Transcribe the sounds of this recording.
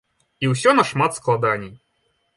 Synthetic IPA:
iws̬ʲɔnɐʂmat̪sklˠad̪anʲij

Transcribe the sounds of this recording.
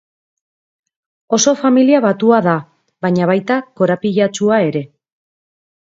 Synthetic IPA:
o̞so̞familiaβat̪uaða | βaɲaβ̞ajt̪ako̞ɾapiʎat͡ʃuae̞ɾe̞

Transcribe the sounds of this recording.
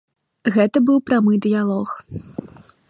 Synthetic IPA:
ɣɛt̪ɐbɨwpɾamɨjd̪ɨjalˠɔx

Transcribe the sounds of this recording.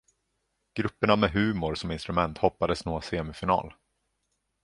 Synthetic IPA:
ɡ̥ɾɵpːəɳamɛɦʉ̟ːmʊɾsɔmɪnst̪ɾɵmɛnt̪hɔpːad̪əsnoːseːmɪfɪnɑ̰ːl

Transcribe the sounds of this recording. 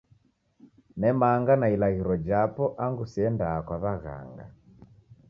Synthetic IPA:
nɛmaŋɡanailaɣiɾɔd͡ʒapɔʔaŋɡusiɛndaːkwaβaɣa̰ŋɡa̰

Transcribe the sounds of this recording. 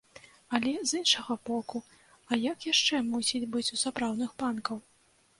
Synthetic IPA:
ɐlʲɛzɨnʂɐɣɐbɔku | ɐjɐkjaʂt͡ʂɛmusʲid͡zʲbɨt͡sʲusapɾawdnɨxpankɐw

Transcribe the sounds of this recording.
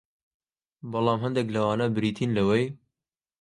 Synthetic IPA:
bɑlˠɑːmɦɐnd̪eklɐwɑːnabɾiːt̪ʰiːnlɐwej

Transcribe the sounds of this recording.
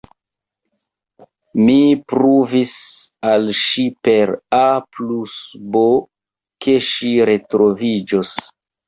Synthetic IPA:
mipɾuvisalʃipe̞ɾaplusbo | ke̞ʃiɾe̞tɾovid͡ʒos

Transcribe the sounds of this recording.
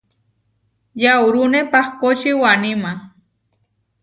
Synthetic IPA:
jawɾunepaχkot͡ʃiwanima

